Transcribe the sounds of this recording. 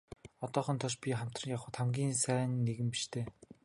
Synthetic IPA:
ɔt̪ɔːχɞ̆nt̪ʰɔʃpʲiχam̥t̪rə̆ŋjaχʊ̆ːt̪ʰamɡʲiːnsæːnːeɣɘ̆mpiʃt̪ʰeː

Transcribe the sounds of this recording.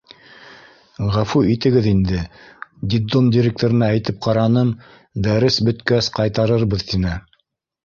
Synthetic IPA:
ʁæfuit̪ɘ̆ɡɘðind̪ɘd̪ʲid̪omdʲiɾʲek̚t̪oɾɤ̆nææjt̪ɘp̚qɑɾɑnɤn | d̪æɾɘsbɵ̆t̪kæsqɑjt̪ɑɾɤɾβɤðt̪inɘ

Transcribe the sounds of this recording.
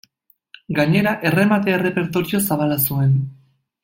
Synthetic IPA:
ɡaɲe̞ɾaʔe̞re̞mat̪e̞aere̞pe̞ɾt̪o̞ɾio̞saβalasue̞n

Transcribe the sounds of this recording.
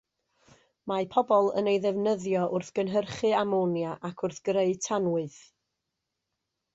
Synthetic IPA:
mapʰɔbɔlˠə̰nejðɛvnəðjɔʔʊrθɡ̥ənɦərχɨamonjaʔakʰʊrθɡ̥reɨtʰanwɨð

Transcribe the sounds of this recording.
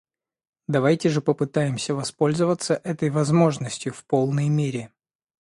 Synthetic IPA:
d̪ɐvajtʲɪʐɨpəpɨt̪ajɪmsʲəvɐspo̞lʲzəvət̪səʔɛt̪əjvɐzmo̞ʐnəsʲtʲjʊfpo̞lˠnəjmʲeɾʲɪ

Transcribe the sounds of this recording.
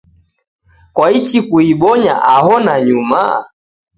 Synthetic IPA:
kwait͡ʃikuiɓɔɲa̰ʔaɦɔnaɲuma̰

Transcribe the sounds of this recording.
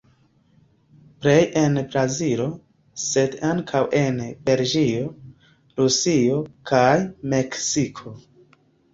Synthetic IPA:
ple̞je̞nbɾazilo̞ | se̞daŋkʰawʔe̞nbe̞ld͡ʒio | ɾusiokʰajme̞ksikʰo̞

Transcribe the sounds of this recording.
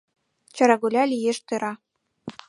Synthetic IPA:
t͡ɕɑ̆ɾɑɡulʲɑlʲijeʂt̪ɤ̆ɾɑ

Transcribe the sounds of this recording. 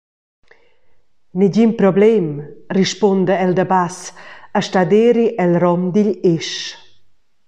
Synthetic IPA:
niɟimpɾɔblɛmriʃpɔnd̪əɛld̪abasəʃtad̪eɾiʔɛlrɔmd̪iʎeʃ

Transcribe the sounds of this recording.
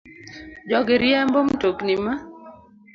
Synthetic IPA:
d͡ʒɔɡɪɾjɛmbomtoknima

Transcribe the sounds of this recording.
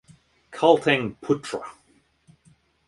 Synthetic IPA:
kʰalˠtʰɪ̃ŋpʰʊtʰɹə̰

